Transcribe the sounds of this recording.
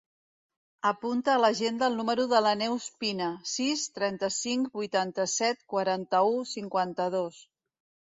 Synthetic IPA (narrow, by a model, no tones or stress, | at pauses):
əpunt̪əːləʒend̪əlˠnuməɾuðələnɛwspinəsist̪ɾɛnt̪əsiŋkbujt̪ant̪əsɛt̪̚kwaɾant̪əusiŋkwant̪əðos